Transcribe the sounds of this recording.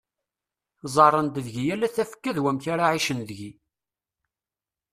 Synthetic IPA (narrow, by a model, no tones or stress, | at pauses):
zˤɑrˤənd̪ðʝjælːæθæfə̥kːəðwæmçaɾaʕiʃənðʝi